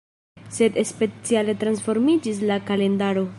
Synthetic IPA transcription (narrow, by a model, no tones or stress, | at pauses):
se̞de̞spe̞t͡siale̞tɾansfo̞ɾmid͡ʒis̬lakale̞ndaɾo̞